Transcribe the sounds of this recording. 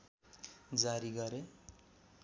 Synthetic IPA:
d͡zaɾiɡʌɾe

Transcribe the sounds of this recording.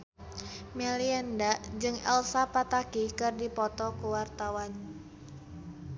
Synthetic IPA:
mɛliandaʔd͡ʒɨŋɛlsapat̪akikɨrdipɔt̪ɔkuwart̪awan

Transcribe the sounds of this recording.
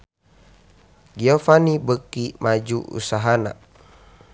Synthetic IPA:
ɡiofanibəkimad͡ʒuṵsaɦana̰

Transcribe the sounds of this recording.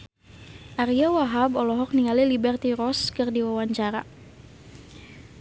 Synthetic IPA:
ʔaɾiawaɦabɔlɔɦɔk̚niŋalilibɛrt̪iɾɔskɨrdiwawaɲt͡ʃaɾa

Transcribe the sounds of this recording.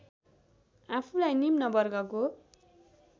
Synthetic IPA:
apʰulajnimnʌbʌrɡʌko

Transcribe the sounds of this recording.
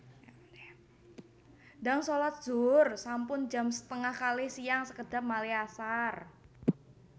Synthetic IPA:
da̤ŋsolat̪̚z̥ʊrsampʊnd͡ʒa̤msə̥t̪əŋahkalɪhsijaŋsəkəd̥a̤p̚maliasar

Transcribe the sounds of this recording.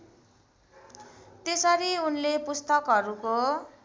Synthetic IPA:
t̪esʌɾiunlepust̪ʌkɦʌɾuko

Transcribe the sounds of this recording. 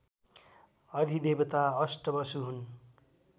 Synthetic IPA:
ʌd̪ʱid̪ebʌt̪aʌsʈʌbʌsuɦun

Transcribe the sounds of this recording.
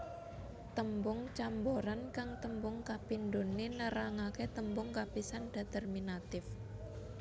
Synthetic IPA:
t̪əmbʊŋt͡ʃamboɾankaŋt̪əmbʊŋkapindonenəɾaŋaket̪əmbʊŋkapisanɖ̥a̤t̪ɛrminat̪ɪf

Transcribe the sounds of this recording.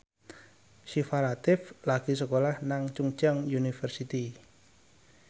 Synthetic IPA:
ʃifalat̪ɪflaɡ̥is̬əkolahnaŋt͡ʃuŋt͡ʃəŋjunifɛrsit̪i

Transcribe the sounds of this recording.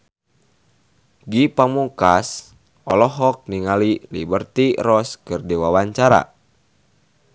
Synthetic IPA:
ɡipamuŋkas | ʔɔlɔɦɔk̚niŋalilḭbərt̪irɔskɨrdiwawaɲt͡ʃaɾa̰

